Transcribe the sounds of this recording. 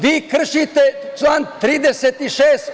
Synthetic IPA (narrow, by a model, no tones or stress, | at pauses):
ʋiːkr̩ʃit̪et͡ʃant̪ɾiːd̪eset̪iʃeːs